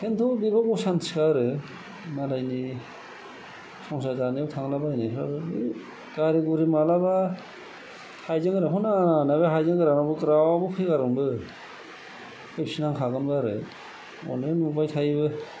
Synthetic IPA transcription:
kʰentʰɔbibakɔsanʰskaɾɯ | malajni | sɔŋsajdaniawtʰaŋlabajnipʰɾaɾɯɯ | kaɾiɡuɾimalaba | hajzɯŋɡɯɾakʰɔnaanaβeɦajzɯŋɡɯɾanabɯkɾawabɔpʰɯjkaɾɯnbɯ | kʰɯjpsinaŋkʰaɡɯnbɯaɾɯ | ɔ̰nenmubajtʰajbɯ

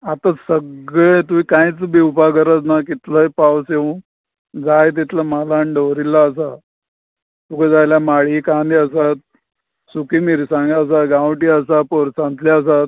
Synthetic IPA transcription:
at̪asəɡɭet̪uikãjt͡sbʱiːupakəɾət͡snakit̪ləipawseũ | d͡zajt̪̬it̪ləmalaɳɖoɾilːaəs̬a | t̪uked͡zajljamaɭiːkãnd̪iəs̬at̪̚ | sukiːmiɾsãŋɡaəs̬aɡãwʈiːəsapoɾsãnt̪liəs̬at̪̚

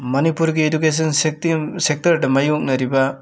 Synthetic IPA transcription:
mɐnipuɾɡiedukes̬ɔnssek̚tɐɾdɐmɐjok̚nɐɾibɐ

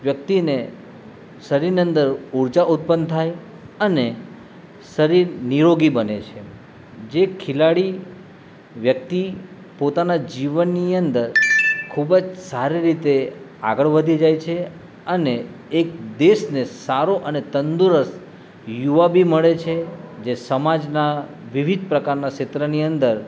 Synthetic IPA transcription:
ʋjək̚t̪ine | səɾiɾniə̃nd̪əɾuɾd͡ʒaʔut̪̚pənt̪ʰaj | əne | səɾiɾniɾoɡibənḛt͡ʃʰe | d͡ʒekʰɪlaɭi | ʋjək̚t̪i | pot̪anad͡ʒiʋənːiənd̪əɾkʰubd͡ʒsaɾiɾit̪e | a̰ɡəɭʋəd̪ʱid͡ʒajt͡ʃʰe | əneː | k̚d̪eʃnesaɾoʔənet̪ənd̪uɾəs | juʋabʱiməɭet͡ʃʰed͡ʒesəmad͡ʒna | ʋiʋid̪̚pɾəkaɾnaʃɪt̪ɾəniənd̪əɾ

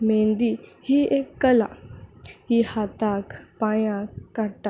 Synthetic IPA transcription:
mẽnd̪ihiekːəla̰ | ɦihat̪akpajãkːaʈa

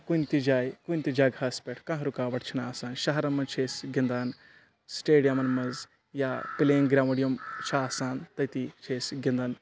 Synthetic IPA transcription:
kunt̪id͡ʒaːjkunʲt̪id͡ʒaːɡaːspʲeʈʰkɐ̃ɦɾukaːʋɐʈʰt͡ʃʰinaːsaːnʃɐɦɐɾɐmɐnt͡ʃʰeːsɡind̪aːn | sʈeːɖijɐmɐnmɐz | jaːpileːŋɡɾʲaːmɐɽijɐmt͡ʃʰaːsaːnt̪ɐjt̪it͡ʃʰeːsɡind̪aːn

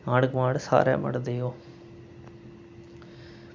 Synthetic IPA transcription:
ãːɽɡmaːɽsa̰ːɾã̰ːmə̰ɽd̪ejoː

